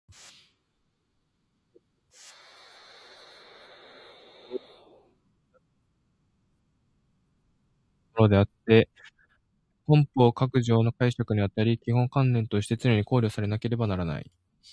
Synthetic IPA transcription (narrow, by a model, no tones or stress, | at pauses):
oɾo̞d̪e̞at̪ːe̞ | kõ̞mpo̞ːkakɯ̟ʑo̞ːno̞kaiɕakɯ̟ɲ̟iβat̪aɾʲikʲihõ̞ŋkãnːẽ̞nt̪o̞ɕi̥t̪e̞t͡sɨɾeɲ̟iko̞ːɾʲo̞ːsaɾe̞nake̞ɾe̞banaɾana̰ḭ